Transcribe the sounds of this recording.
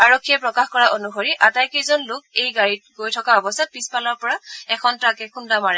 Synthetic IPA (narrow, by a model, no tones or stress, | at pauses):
aɹokʰːijɛpɹɔkaxkɔɹaʔonuxoɹiʔatajkejzɔnlʊk̚ejɡaɹit̚ɡojtʰɔkabɔsat̚pispalɔɹpɔɹaɛkʰɔntakɛxʰundamaɹɛ